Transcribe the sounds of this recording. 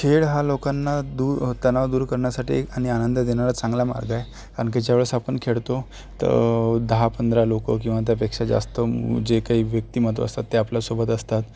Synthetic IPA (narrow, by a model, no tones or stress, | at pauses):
kʰeɽɦalokanːad̪uːɾt̪ənaʋd̪uːɾkəɾɳjasaʈḭaɽ̃ianənd̪əd̪eñaɾat͡sãŋɡlama̰ɾɡaj | kaɳked͡ʑjaʋɭəsapəɳkʰeɽt̪o | t̪ə̰d̪əɦapənd̪ɾalokə̰k̬ĩw̃ʋat̪̬japekʂad͡ʑa̰st̪əd͡ʑekaɦiːʋjək̚t̪iːmət̪ə̰st̪at̪ːeaplasobət̪əst̪at̪